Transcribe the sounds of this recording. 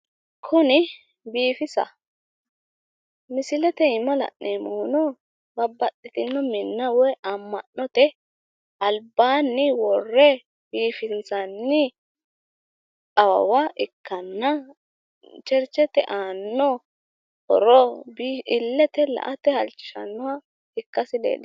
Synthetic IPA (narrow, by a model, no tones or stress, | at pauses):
kʰʊnɪ | biːfɪsɐ̰ | mɪsɪlɛt̪ɛɪmɐlɐ̰ʔneːmɔʊnɔ | bɐbːɐtːɪt̪ɪnːɔmɪnːɐwɛʔɐmːɐnːɔt̪ɛ | ɐlbaːnːɪwɔrːɛ | biːfɪnt͡sɐnːɪ | kʼɐwɐ̰waʔɪkːɐnːɐ | t͡ʃɛɾt͡ʃːɛt̪ɛʔaːnːɔ | hɔ̰ɾɔbiɪlːɛt̪ɛlɐ̰ʔɐt̪ɛhɐlt͡ʃːɪ̥ʃɐ̰nːɔwa | ɪkːɐsɪlḛːl